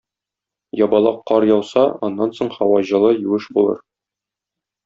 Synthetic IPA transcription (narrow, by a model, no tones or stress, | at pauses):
jɒbɑlˠɑqːɒɾjɒlˠsɑɒnːɑnsoɴχɒwɑʑɤ̆lˠɤjʉɘʃbulˠɤ̰ɾ